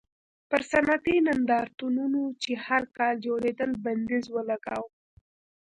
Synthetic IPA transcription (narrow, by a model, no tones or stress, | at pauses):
pəɾsanat̪inand̪ɑɾt̪ununot͡ʃehaɾkɑld͡ʒoɾed̪əlband̪ezwəlaɡa̰w